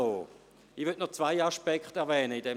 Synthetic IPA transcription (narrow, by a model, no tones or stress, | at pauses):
oː | ivyɐtʔnɔt͡svaɪaʃpɛkχtɛɐvɛːnəidɛ